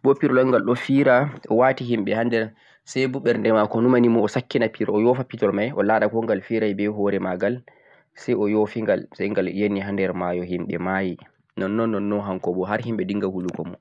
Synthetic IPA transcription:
bɔpiɾɔlɔŋɡalɗɔfiɾaʔɔwatiɦimɓɛhandɛɾ | sajbuɓɛɾndɛmakɔnumanimɔɔsakːinapiɾɔɔjɔfapitɔɾmajʔɔ̰laːɗakɔŋɡalfiɾajbɛɦɔɾɛmaɡal | sɛjɔjofiŋɡalsaŋɡaljenːiɦandɛɾmajɔhimɓɛ̰maji | nɔnːɔnːɔnːɔnɦaŋkɔbɔɦaɾhimɓɛdiŋɡahulukɔ̰mɔ̰

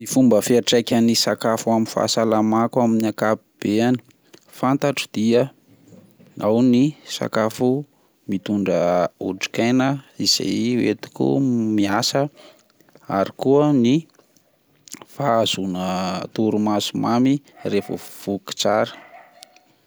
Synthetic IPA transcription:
mifumbəfiaʈ͡ʂajkʲanisakafuaminfa̰salamakwaminakapib̥eani̥ | fant̪aʈ͡ʂid̪̥iə | awnisa̰kafu | mit̪uɳɖ͡ʐəuɖ͡ʐi̥kajnəiz̥ḛjwet̪i̥kṵmiasə | aɾikuəni | faz̥unət̪uɾumasumamirefə̰v̥uki̥t͡saɾə̥

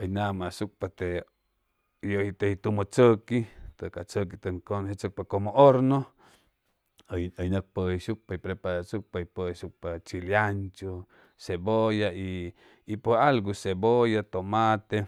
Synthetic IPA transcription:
əjnãmãsuk̚pat̪e | johit̪ehit̪umot͡səkit̪əkat͡sək̬it̪əŋkonɦet͡sək̚pakomõʔoɾnõ | jəjnək̚pəiʃuk̚paipɾepasuk̚paipəʃuk̚pat͡ʃiljant͡ʃo | sebojaiː | pʷoalɡusebojat̪omat̪e

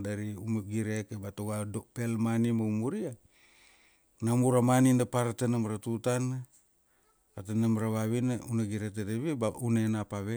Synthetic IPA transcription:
daɾiumaɡiɾekebatoɡadopelmanimaumuɾia | namuɾamaninapaɾatanamaɾatutan | atanamaɾaβaβinaunaɡiɾetedeβibaunenapaβe

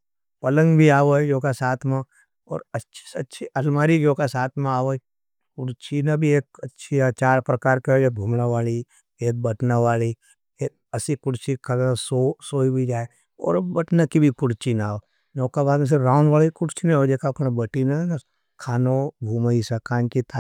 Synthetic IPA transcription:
pɐlə̃ŋɡbʱiaːʋojoːkasaːt̪ʰmẽ | ɔ̰ːɾɐtːʃʰsɐtːʃʰiʔɐlmaːɾiɡoːkasaːt̪ʰmẽaːʋoi | kʊɽt͡ʃinabʱieːkɐtːʃʰiat͡ʃaːɾpɾɐkaːɾkeebʱuːmnaʋaːli | eːk̚bɐʈnaʋaːli | e | ɐsikʊɽt͡ʃikʰɐlasosoːibʱid͡ʒaːe | ɔ̰ːɾbɐʈnakibʱikʊɽt͡ʃinaːo | noːkabaːd̪mẽs̬ɪɾɾãːʊnʋaːliikʊɽt͡ʃʰineod͡ʒeːkaːpnabɐʈinana | kʰaːnobʱuːməisɐkaːnkit̪a

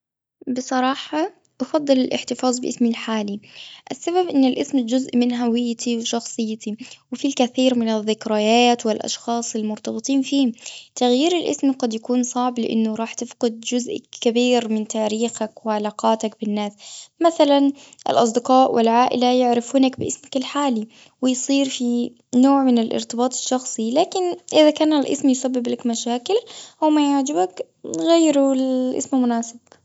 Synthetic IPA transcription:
bɨsˤɑɾˤɑːħɑ | ʔɑfɑd̪ˤːɨlɪlʔɪ̰ħt̪ɪfɑːzˤbɪʔɪ̰smilħaːliʔasːababʔɪnːɪlʔɪsmd͡ʒʊzʔmɪnɦawɪjːt̪ʰiwʃɑxsˤɨjːt̪iwɪfilkaθiːɾmɪnɪðːɪkɾajaːt̪wɪlʔɑ̰ʃxɑːsˤɪlmʊɾt̪ɑbɨt̪ˤiːnfiːmt̪aɣjiːɾɪlʔɪsmqɑd̪jakuːnsˤɑʕblɪʔɪ̰nːʊɾˤɑːħt̪ɪfqɪd̪̚d͡ʒʊzʔkːabiːɾmɪnt̪aːɾiːxakwɪʕalaːqɑːt̪ak̚bɪnːaːsmaθalanʔɪ̰lʔɑs̬ˤd̪ɪqɑːʔwʔɪ̰lʕaːʔɪ̰lajɪʕɾɪfuːnakbɪʔɪsmakɪlħaːli | wɪjsˤiːɾfi | noːʕmɪnɪlʔɪ̰ɾt̪ɪbɑːt̪ˤɪ̥ʃːɑxsˤilaːkɪnʔɪðakaːnalʔɪ̰smjsabːɪblakmaʃaːkɪlʔawmajaʕd͡ʒɪbak | ɣajɾulʔɪ̰smmʊnaːsɪb̥

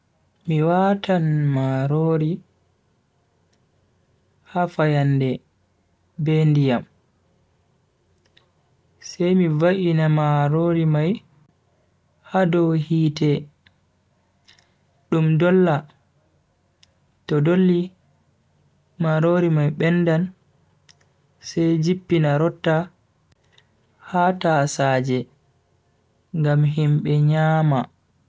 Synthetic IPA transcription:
miwatanmaɾoɾi | hafajanːdɛ | bɛndijam | sɛjmivaʔinamaɾoɾimaj | hadɔwhiːtɛ | ɗumdɔlːa | tɔdolːi | maɾoɾimajɓɛnːdan | sɛjd͡ʒipːinaɾɔtːa | hatasaːd͡ʒɛ | ŋɡamɦimɓɛɲaːma

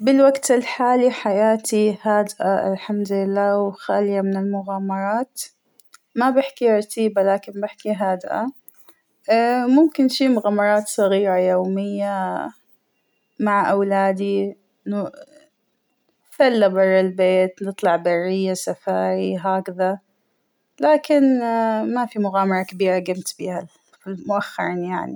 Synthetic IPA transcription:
bɪlwaɡt̪ɪlħaːliħajaːt̪ihaːd̪ʔaʔɪ̰lħamd̪lɪlːaːwxaːljamɪnɪlmʊɣaːmɑɾˤɑːt̪ | mabɪħkiɾˤɑt̪ʰiːbalaːkɪnbɪħkiɦaːd̪ʔa̰ | mʊmkɪnʃiːmʊɣaːmɑɾˤɑːt̪sˤɑɣiːɾˤɑjoːmɪjːa | maʕʔawlaːd̪i | ɪnːu | θalːabɑrˤːɪlbeːt̪nɨt̪ˤlɑʕbɑrːɪjːasafaːɾiɦaːkaða | laːkɪnmafimʊɣaːmɑɾˤɑkabiːɾˤɑɡamt̪biːha | filmʊʔaxːɑ̰ɾˤiːnjaʕnḭ

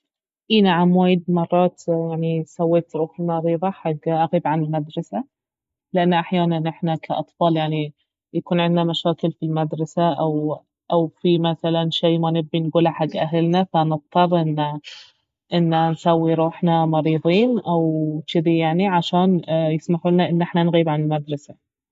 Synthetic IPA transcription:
ʔiːnaʕamwaːjɪd̪mɑrˤːɑːt̪jaʕnisawːeːt̪ɾˤuːħnɑɾiːðˤɑħaɡːʔaɣiːbʕanɪlmad̪ɾˤɑsa | lɪʔanːʔaħjaːnanʔɪħnakʰaʔɑt̪ˤfɑːljaʕni | jakuːnʕɪnd̪namaʃaːkɪlfilmad̪ɾˤɑsaʔaw | ʔawfimaθalanʃeːmanɪbːinɡuːlaħaɡːʔaɦalnafanɨt̪̚ˤt̪ˤːɑrˤːʔɪnːa | ʔɪnːansawːiɾˤuːħnamɑɾiːðˤiːnʔawt͡ʃɪd̪ijaʕniʕaʃaːnjɪsmaħuːnaʔɪnːʔɪħnanɣiːbʕanɪlmad̪ɾˤɑsa

